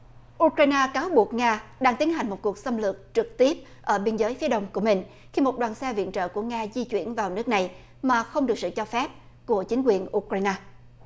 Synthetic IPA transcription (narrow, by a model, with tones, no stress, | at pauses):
ʔu˧kɾaː˧jnaː˧kaː˨˦wɓu˨˩ək̚ŋaː˧ɗaː˧ŋt̪i˨˦ənɦa˨˩ŋ̟mo˨˩t̚ku˨˩ək̚sə˧mlɨ˨˩ək̚t͡ɕɨ˨˩k̚t̪i˦˥əp̚ | ʔəː˧˩ɓi˧nzəː˨˦jfi˨˦əɗə˧wŋ͡mku˧˩əmï˨˩ŋ̟ | xi˧mo˨˩t̚ɗwaː˨˩nsɛ˧vḭ˧˨ənt͡ɕə̰ː˧˨ku˧˩əŋaː˧zi˧t͡ɕwi˧˩ənvaː˨˩wnɨ˦˥k̚na˨˩j | maː˨˩xə˧wŋ͡mɗɨ˨˩k̚sɨ̰˧˨t͡ɕɔ˧fɛ˦˥p̚ | ku˧˩ət͡ɕï˨˦ŋ̟kwi˨˩ənʔu˧kɾaː˧jnaː˧